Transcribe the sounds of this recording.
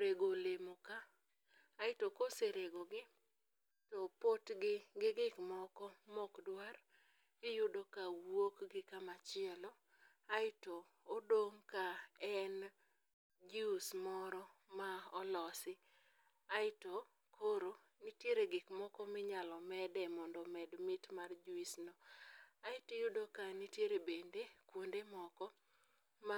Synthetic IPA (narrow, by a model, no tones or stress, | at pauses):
ɾeɡolemoka | aɪtokoseɾeɡoɡɪ | tɔpotɡɪɡɪɡɪkmɔkɔmɔkdwar | ɪjʊdokawokɡɪkamat͡ʃɪɛlɔ | aɪtɔː | doŋkaɛn | d͡ʒismɔɾɔmaɔlɔsɪ | aɪto | kʰoɾo | nitjeɾeɡɪkmɔkɔmɪɲalɔmɛdɛmɔndɔmɛdmɪtmard͡ʒuisnɔaɪtejʊdokanitjeɾebendekwondemɔkɔ | ma